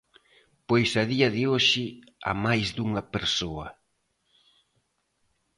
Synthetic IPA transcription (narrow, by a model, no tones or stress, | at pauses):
pojsɐðiɐðɪoʃɪ | a̰majzðuŋɐpeɾsoɐ